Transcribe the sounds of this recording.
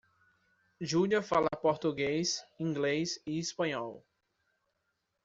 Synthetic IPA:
ʒuʎiɐfalɐpoɾt̪uɡejsĩŋɡlezɪɪspɐ̃ɲɔw

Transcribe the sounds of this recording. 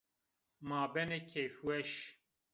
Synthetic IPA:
maːbɛnekʰefwɛʃ

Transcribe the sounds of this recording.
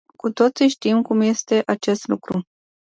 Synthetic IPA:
kut̪o̞t̪siʃt̪imkumje̞st̪e̞ʔat͡ʃe̞st̪lṵkɾu

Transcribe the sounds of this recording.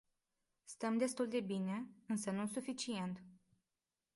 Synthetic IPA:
st̪əmd̪e̞st̪uld̪e̞bine̞ɨnsənusufit͡ʃie̞nt̪

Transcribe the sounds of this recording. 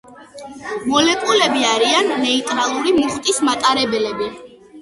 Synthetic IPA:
mɔlɛkʼulɛbiaɾianːɛit̪ʼɾalˠuɾimuχt̪ʼismat̪ʼaɾɛbɛlɛbi

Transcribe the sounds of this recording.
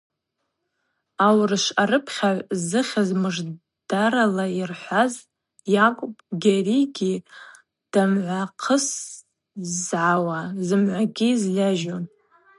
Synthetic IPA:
awrɨʃaɾɨpʰχʲaʕʷzɨχʲazmɨʐ | d̥aɾalairħʷaz | jakʷʼpʼɡʲariɡʲi | d̥amʕʷaqʰəs | zʕawazɨmʕʷaɡʲizlʲaʒon

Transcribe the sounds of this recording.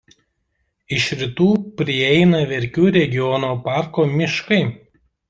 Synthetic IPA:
ɪʃɾʲɪt̪uːpʲɾʲɪɛɪnɐʋʲɛɾʲkʲuːɾʲɛɡʲɪjɔnoːpɑˑɾkoːmʲɪʃkɐɪ

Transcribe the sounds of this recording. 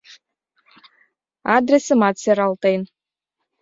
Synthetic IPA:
ad̪ɾʲesɨmat̪seɾɑlˠt̪ejn

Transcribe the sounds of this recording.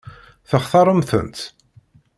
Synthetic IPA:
θəχθɑɾˤəmθə̰nt̪

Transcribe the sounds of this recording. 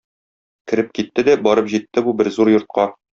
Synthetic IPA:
kɘ̆ɾɘp̚kit̪ːɘd̪æbɒɾɤpʑit̪ːɘbubɘɾzuɾjŏɾt̪̚qɑ

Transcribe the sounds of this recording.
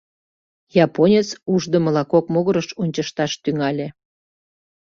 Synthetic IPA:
jɑponʲet͡suʒd̪ə̆məlɑkokmoɣəɾəʃunʲt͡ɕəʃt̪ɑʃt̪yŋɑlʲe

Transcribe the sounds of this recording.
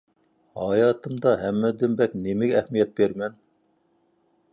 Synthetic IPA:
hɑjɑːt̪ɨmd̪ɑɦæmːɛd̪ɪmbɛkʲnemɪɡʲɛːhmijɛt̪̚beɾmɛn

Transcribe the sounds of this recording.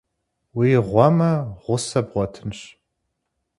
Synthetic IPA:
wiːʁʷɔmɐʁʷʊsɐbʁʷɔtʰɨnɕ

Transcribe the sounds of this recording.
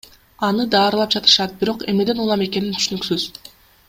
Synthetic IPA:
ɑnɯd̪ɑːɾɯlˠɑp̚d͡ʒɑt̪ɯ̥ʃɑt̪̚biɾo̞qemne̞d̪e̞nulˠɑme̞ke̞nint̪ʰy̥ʃynyksyz̥

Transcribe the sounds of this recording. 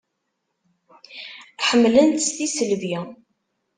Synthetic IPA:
ħəmːlənt̪sθisəlvi

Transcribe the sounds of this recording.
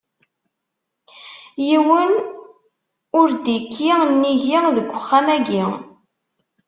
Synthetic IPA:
jiwən | ʊɾd̪ikʰːinːiʝiðəɡʷːəχːamæɡi

